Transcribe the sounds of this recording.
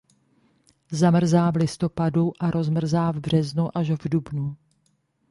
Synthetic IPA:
zamr̩zaːvlɪst̪o̞paduʔaɾo̞zmr̩zaːvbr̝ɛznuʔaʒvdubnu

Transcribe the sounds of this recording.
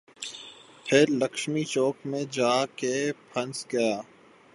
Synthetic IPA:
pʰɪɾlɐkʃmit͡ʃoːkmẽd͡ʒaːkepʰɐ̃nsɡɐjaː

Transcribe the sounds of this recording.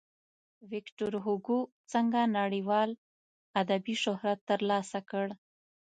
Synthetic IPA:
wɪkʈoɾɦuɡu | t͡səŋɡanaɽiwɑl | ad̪abiʃʊhɾat̪ːəɾlɑsakəɽ

